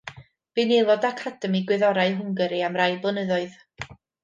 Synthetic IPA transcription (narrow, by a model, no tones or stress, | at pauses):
b̥inelˠɔdakʰadəmiɡwɪðɔɾaɨɦʊŋɡəɾiamrajblˠɔnəðɔɨð